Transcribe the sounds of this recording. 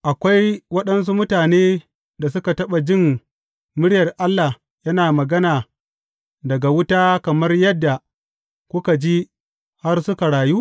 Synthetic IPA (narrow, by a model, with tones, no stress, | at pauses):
ʔa˨kʷa˦jwɐ˦ɗɐ˦ns̬u˦mʊ˦taː˨neː˦ | da˨s̬ʊ˦ka˨tɐ˦ɓa˨d͡ʒɪ˦˨ŋ | mʊ˦ɽɪ˦jɐ˨rʔa˦lːa˨ | jɐ˦naː˨mɐ˨ɡɐ˦naː˨ | dɐ˨ɡa˨wʊ˦taː˦kɐ˨mɐ˦rjɐ˦dːa˨ | kʷʊ˦ka˨d͡ʒi˦ | ha˦rsʊ˦ka˨ɽaː˨juː˦